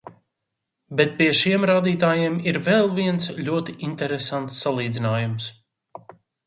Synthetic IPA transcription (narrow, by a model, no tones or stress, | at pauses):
bɛt̪̚piɛʃiɛmɾaːd̪iːt̪aːjiɛmiɾvɛlˠviɛnsʎʲuɔt̪iint̪ɛɾesant̪sːalˠiːd̪zinaːjums